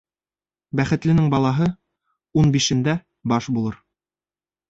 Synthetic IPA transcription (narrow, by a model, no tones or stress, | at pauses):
bæχɘ̆t̪lɘ̆nɘŋbɑlˠɑɦɤ | unbiʃɘ̆nd̪æ | bɑʃbulˠɤɾ